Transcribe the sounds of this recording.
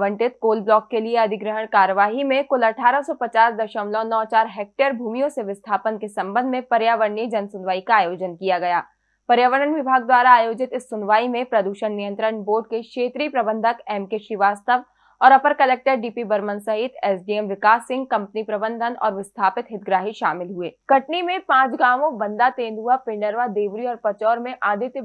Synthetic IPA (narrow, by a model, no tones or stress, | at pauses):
ʋə̃ɳʈɪt̪̚koːlblɔːkːelieɐd̪ʱɪɡɾəɦəɽ̃kaːɾəʋaːɦimẽkʊlɐʈʰaːɾəsɔpɐt͡ʃaːsd̪ɐʃəmlɔ̃nɔːt͡ʃaːɾɦɛːk̚ʈəɾbʱuːmijõseʋɪst̪ʰaːpənkesɐ̃mbə̃nd̪ʱmẽpɐɾjaːʋəɾɳid͡ʒɐnsʊnʋaːikaːjoːd͡ʒənkijaɡɐjaː | pɐɾjaːʋəɾənʋɪbʱaːɡ̚d̪waːɾaaːjoːd͡ʒɪt̪ɪsːʊnʋaːimẽpɾɐd̪uːʃənnijə̃nt̪ɾəɳboːɖ̚kekʃeːt̪ɾipɾɐbə̃nd̪ʱəkɛːmkeʃɾiʋaːst̪əʋ | ɔːɾɐpəɾkɐlɛːk̚ʈəɾɖiːpibɐɾmənsɐɦɪt̪ɛːsɖiɛmʋɪkaːsːɪ̃ŋɡ̚kɐ̃mpnipɾɐbə̃nd̪ʱənɔ̰ːɾʋɪst̪ʰaːpɪt̪ɦɪt̪̚ɡɾaːɦiʃaːmɪlɦueːkɐʈnimẽpãːt͡ʃɡaːʋõbɐ̃nd̪at̪ẽːnd̪ʱuapɪ̃ɳɖəɾʋad̪eːʋɾiɔːɾpɐt͡ʃɔːɾmẽʔaːd̪ʱɪt̪j